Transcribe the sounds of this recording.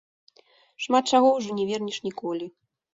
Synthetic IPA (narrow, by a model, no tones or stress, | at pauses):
ʂmat̪̚t͡ʂaɣɔwʐɔnʲɛvʲɛrnʲiʂnʲikɔlʲi